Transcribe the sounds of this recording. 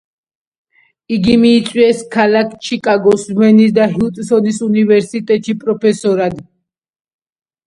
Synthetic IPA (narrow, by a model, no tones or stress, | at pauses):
iɡimiːt̪sʼwiɛskʰalakʰt͡ʃʰikʼaɡɔsmɛnisd̪aɦiut̪ʼsɔnisunivɛɾsit̪ʼɛt̪ʼʃipʼɾɔpʰɛsɔɾad̪